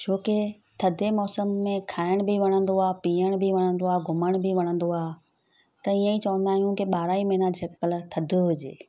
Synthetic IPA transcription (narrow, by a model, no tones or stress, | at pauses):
t͡ɕʰoːke | t̪ʰɐd̪ʱemɔːsəmːẽkʰaːɪɽ̃bʱiʋɐɽ̃ə̃nd̪oaːpiːəɽ̃bʱiʋɐɽ̃ə̃nd̪oaːɡʱʊməɽ̃bʱiʋɐɽ̃ə̃n̆d̪oaː | t̪ɐiːə̃ĩt͡ɕɐʋə̃nd̪aːɦijũkɪɓaːɾaːimɐɦnad͡ʑʰʱepəlt̪ʰɐd̪ʱʊɦʊd͡ʑḛː